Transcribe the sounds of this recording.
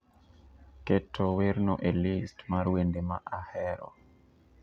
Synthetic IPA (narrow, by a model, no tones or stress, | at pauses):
ketʰɔweɾnɔʔelistmaɾwendemaʔahɛɾɔ̰